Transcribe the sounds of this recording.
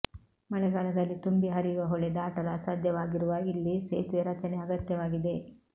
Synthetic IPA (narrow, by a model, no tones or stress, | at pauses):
mɐɭɛɡaːlɐd̪ɐlːit̪umbiɦɐɾijuʋɐɦɔɭɛd̪aːʈɐlɐsaːd̪ʱjɐʋaːɡiɾuʋɐilːiseːt̪ʋeɾɐt͡ʃɐneɐɡɐt̪jɐʋaːɡid̪e̞